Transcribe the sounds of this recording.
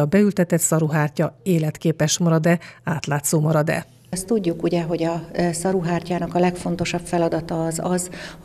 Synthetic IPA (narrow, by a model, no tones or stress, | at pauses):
ɒbɛylt̪ɛt̪ɛt̪sɒɾuɦaːrcɒeːlɛt̪keːpɛʃmɒɾɒd̪ɛaːt̪laːt̪soːmɒɾɒd̪ɛ̰ | st̪uɟːukuɟɛɦo̞ɟɒsɒɾuɦaːrcaːnɒkɒlɛkfo̞n̪t̪o̞ʃɒpfɛlɒd̪ɒt̪ɒːzɒz